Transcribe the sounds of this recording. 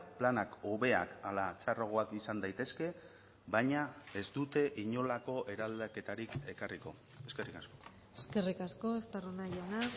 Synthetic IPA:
planako̞βe̞a̰kalat͡saroɣ̞oakisand̪ajt̪e̞ske̞ | bajɲae̞zd̪ut̪e̞ʔiɲo̞lako̞ʔe̞ɾald̪ake̞t̪aɾike̞kariko̞̰ | e̞ske̞rikasko̞ | eske̞rikasko̞est̪aronajena

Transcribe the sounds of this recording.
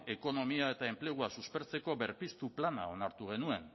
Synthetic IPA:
e̞ko̞no̞miae̞t̪ae̞mple̞ɣ̞uasuspe̞ɾt͡se̞ko̞be̞ɾpist̪uplana̰o̞naɾt̪uɣ̞e̞nue̞n

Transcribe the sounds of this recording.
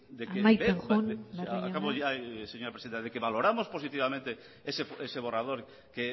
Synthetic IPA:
d̪ekemajbeeŋondaakaβoajseɲoɾaɐpɾesiðent̪aðekeβaloɾamosposit̪iβamẽnt̪e | esefeseβorað̞oɾ | ke

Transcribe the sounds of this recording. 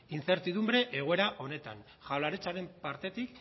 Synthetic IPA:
int͡se̞ɾt̪iðumbɾe̞ʔeɣ̞oe̞ɾaʔo̞ne̞t̪a̰n | ʝawlaɾet͡saɾe̞mpaɾt̪e̞t̪ik

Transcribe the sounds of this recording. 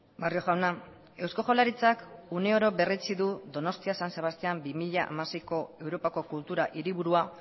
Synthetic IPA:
bario̞ʝawna | e̞wsko̞ʝo̞laɾit͡sakuneo̞ɾo̞βe̞ret͡siðuðo̞no̞st̪iasanse̞β̞ast̪eambimiʎaʔa̰masejko̞e̞wɾo̞pako̞kult̪uɾaʔiɾiβuɾua

